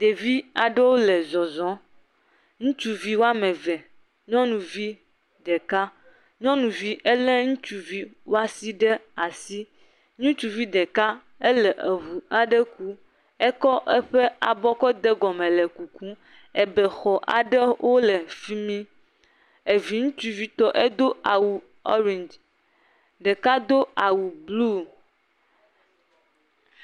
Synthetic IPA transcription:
d̪e˨vi˦a˨ɖe˦wo˦le˨zɔ˨zɔ̃˨˦ | ŋũ˦t͡ʃu˦vi˦wo˦a˦mẽ˨vɛ˨ | ɲɔ̃˦nũ˨vi˦ | dɖe˨ka˦ | ɲɔ̃˦nũ˨vi˦ʔe˦lɛ˦ŋũ˦t͡ʃu˨vi˦wo˦a˦si˦ɖe˦a˨si˦ | ɲũ˦t͡ʃu˨vi˦d̪e˨ka˦ | e˦lɛ˨ʔe˨βu˨a˨ɖe˦ku˦ | ɛ˦kɔ˦ʔɛ˦ɸɛ˦a̰˨bɔ˦kɔ˦d̪e˦ɡɔ˨mɛ̃˨lɛ˨ku˨kũ˦ | ɛ˨bɛ˨xɔ˨ʔa̰˨ɖɛ˦wʔo˦lɛ˨fi˦mĩ˦ | e˨vi˨ŋũ˦t͡ʃu˦vi˦t̪ɔ˦ʔe˦d̪o˦a˨wu˨ | ɔ̰˦ɾĩ˨nd͡ʒ | ɖe˨ka˦d̪o˦a˨wu˨blu˦

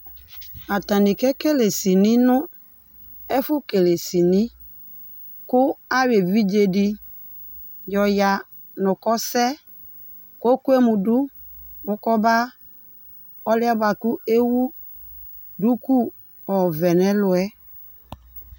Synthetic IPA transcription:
a˨ta˨nɪ˨kɛ˦ke˦le˨si˨nɪ̃˦nʊ˦ | ɛ˦fʊ˦ke˨le˨si˨ni˦ | kʊ˦a˦we˨vi˦d͡ʒe˨di˨ | jɔ˨ja˨ | nʊ˨kɔ˦sɛ˦ | ko˦ku˦e˦mũ˨du˦ | mʊ˦kɔ˦ba˦ | ɔ˦lɪ˦a˦ba˨kʊ˦e˦wu˦ | du˦ku˦ | ɔ˨vɛ˨nɛ˦lʊ˨ɛ˦

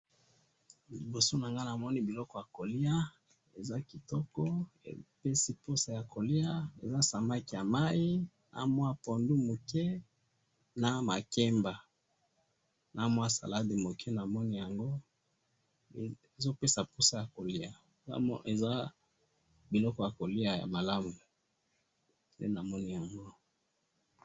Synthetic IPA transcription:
li˨bo˨so˦na˨ŋɡa˦na˨mɔ˦ni˦bi˨lɔ˦kɔ˦ja˨ko˨li˦a˦ | e˨za˦ki˨tɔ˦kɔ˦ḛ˨pe˦si˦po˦sa˦ja˨kʰo˨li˦a˦ḛ˨za˦sa˨ma˦ki˨ja˨ma˦i˦ | nʔa̰˨mwa˦po˨ndu˦mo˨kɛ˦ | na˨ma˨ke˦mba˨ | na˨mwa˦sa̰˨la˦di˨mo˨kʰɛ˦na˨mɔ˦ni˦ja˨ŋɡo˦˨ | e˨zo˦pe˦sa˨pu˦sa˦ja˨ko˨li˦a̰˨˦e˨za˦ | bi˨lɔ˦kɔ˦ja˨ko˨li˦a˨ja̰˨ma˨la˦mu˨ | ndḛ˦na˨mɔ˦ni˦ja˨ŋɡo˦

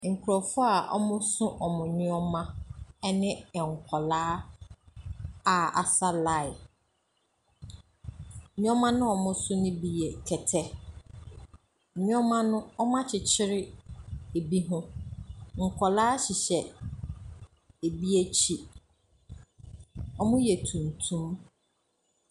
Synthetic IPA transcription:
ŋ̩˨kʰʊ˨ɾɔ˨fʊ˦a˨ʔɔ̰˦mʊ̃˦sʊ̃˦ʔɔ˨mʊ̃˨ɲʊ̃˦ɔ˦mã˦ɛ˦nɪ̃˦˨ŋ̩˨kʰɔ˨laː˦ | a˨a̰˨sa˦la˦˨ɪ˨ | ɲʊ̃˦ɔ̃˦mã˦nʊ̃˦ɔ˨mʊ̃˦sʊ̃˦nʊ̃˦bi˨jɛ˨kʰɛ˨tʰɛ˦˨ | ɲ˦ɔ̃˦mã˦nʊ̃˦ɔ˦mã˦t͡ɕʰɪ˨t͡ɕʰɪ˦ɾɪ˦e˨bi˦ɦʊ̃˦ | ŋ̩˨kʰɔ˨laː˦ɕɪ˨ɕɛ˨ | e˨bi˦æ˦t͡ɕʰi˨ | ɔ˦mʊ̃˦jɛ˨tʰũ˨n˨tʰũ˦m

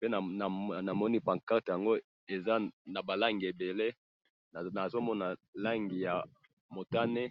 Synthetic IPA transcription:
pe˦na˨a˨na˨mɔ˦ni˦pa˨ŋka˦tja˨ŋɡo˦ | e˨za˦na˨ba˨la˦ŋɡi˨e˨be˨le˦˨ | na˨zo˦mɔ˦na˨la˦ŋɡi˨ja˨ | mo˨ta˦ne˦

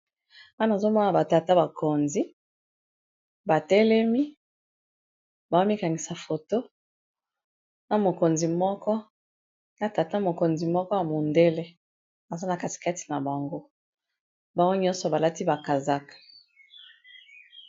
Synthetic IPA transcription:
a˦na˨zo˦mɔ˦na˨ba˨ta˨ta˦ba˨ko˨nzi˦ | ba˨tɛ˦lɛ˦mi˦ | ba˨o˦mi˦ka˨ŋɡi˨sa˨fo˨to˦ | na˨mo˨ko˨nzi˨mɔ˦kɔ˦ | na˨ta˨ta˦mo˨ko˨nzi˨mɔ˦kɔ˦ja˨mo˨nde˦le˦ | na˨za˦na˨ka˨ti̥˨ka˦ti̥˨na˨ba˨ŋɡo˦ | ba˨ŋɡo˦ɲɔ̃˦nsɔ˨ba˨la˦ti˦ba˨ka˨za˦kḁ˨

